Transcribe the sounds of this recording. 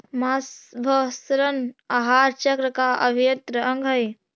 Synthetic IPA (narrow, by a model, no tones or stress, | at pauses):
masbʱəsɾənaɦaːɾt͡ʃəkɾəkaə̰bʱijɐt̪ɾəəŋɡʱəj